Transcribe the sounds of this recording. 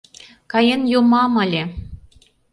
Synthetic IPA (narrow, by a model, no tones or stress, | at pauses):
kɑjenjomɑmə̆lʲe